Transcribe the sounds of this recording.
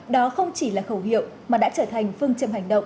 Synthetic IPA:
ɗɔ˨˦xə˧wŋ͡mt͡ɕi˧˩laː˨˩xə˧˩whḭ˧˨əwmaː˨˩ɗa̰ː˧˥t͡ɕəː˧˩t̪ʰa˨˩jŋ̟fɨ˧əŋt͡ɕə˧mɦa˨˩jŋ̟ɗə̰˧˨wŋ͡m

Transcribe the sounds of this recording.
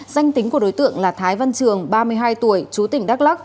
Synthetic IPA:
za˧jŋ̟t̪ï˨˦ŋ̟ku˧˩əɗo˨˦jt̪ɨ̰˧˨əŋlaː˨˩t̪ʰaː˨˦jvə˧nt͡ɕɨ˨˩əŋɓaː˧mɨ˧əjɦaː˧jt̪u˧˩əjt͡ɕu˨˦t̪ï˧˩ŋ̟ɗa˦˥k̚la˦˥k̚

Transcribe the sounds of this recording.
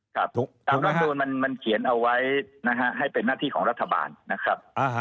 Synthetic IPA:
kʰɾa˦˥p̚t̪aː˧mɾa˦˥˩mduː˧nma˧nma˧nkʰi˨˩˦ənʔa˧wːa˦˥jna˦˥ɦʰa˦˥ʔɦa˥˩jpe˧nːaː˥˩t̪ʰiː˥˩kɔː˩˦ɾa˦˥t̪ʰːa˧ba̰ː˧nːa˦˥kʰɾa˦˥p̚

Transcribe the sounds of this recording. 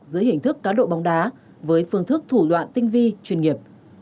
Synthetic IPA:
zɨ̰˨˧˦əjhï˧˩ŋ̟t̪ʰɨ˦˥kːaː˨˦nɗo̰˧˨ɓa˨˦wŋ͡mɗaː˨˦ | vəː˨˦jfɨ˨˧əŋt̪ʰɨ˦˥k̚t̪ʰu˧˩ɗwa̰ː˧˨nt̪ï˧ŋ̟vi˧t͡ɕwi˧˩nŋi˨˩əp̚

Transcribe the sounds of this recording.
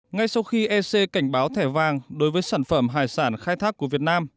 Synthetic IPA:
ŋa˧jsa˧wxi˧ʔɛ˧se˧ka˧˩jŋ̟ɓaː˨˦wt̪ʰɛ˧˩vaː˨˩ŋɗo˨˦jvəː˨˦jsaː˧˩nfə˧˩mɦaː˨˩jsaː˧˩nxaː˧jt̪ʰaː˦˥k̚ːu˧˩əvi˨˩ət̚naː˧m

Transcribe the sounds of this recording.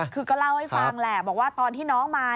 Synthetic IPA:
kʰɯː˧kɔː˥˩la˥˩wha˥˩jfaː˧ŋlɛ˨˩bɔː˨˩k̚waː˥˩t̪ɔː˧nt̪ʰiː˥˩nɔː˦˥ŋmaː˧

